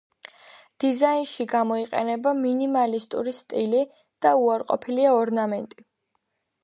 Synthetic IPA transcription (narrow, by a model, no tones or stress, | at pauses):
d̪̥izainʃiɡamɔiqʼɛ̰nɛbaminimalist̪ʼṵɾist̪ʼili | d̪̥auaɾqʼɔ̰pʰiliaɔɾnamɛnt̪ʼi